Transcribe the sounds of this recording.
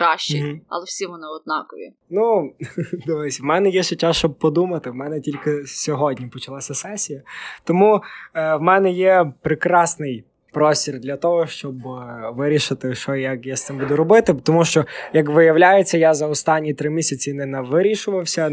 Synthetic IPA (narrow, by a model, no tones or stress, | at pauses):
kɾɑʃt͡ʃːɪɐ̰lˠɛwsʲiʋɔnɪɔd̪̚nɑkɔʋʲḭ | nu | d̪ɔʋɪsʲʋmɛnɛjɛʃɔt͡ʃːast͡ʃɔb̚pɔd̪umɐt̪ɪʋwmɛnɛtʲilʲkɪsʲɔɦɔdʲnʲipɔt͡ʃɐlˠɑsʲɐsɛsʲijɐt̪ɔmuwmɛnɛjɛpɾɪkɾɑsnɪj | pɾɔsʲtʲird̪lʲɐt̪ɔɦɔʃt͡ʃɔbʋɪɾʲiʃɪt̪ɪʃɔjɐkjast̪ɪmbud̪ʊɾɔbɪt̪ɪt̪ɔmuʃt͡ʃɔjɐkʋɪjɐwlʲajet͡sʲːɐjazɐɔst̪ɑnʲːit̪ɾɪmʲisʲɐt͡sʲinɛnɛʋɪɾʲiʃʊʋɐwsʲɐ